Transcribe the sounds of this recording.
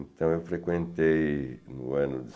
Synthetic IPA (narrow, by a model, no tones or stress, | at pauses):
nt̪ɐ̃w̃ewfɾekwẽnt̪ejnʊɐ̃nʊd̪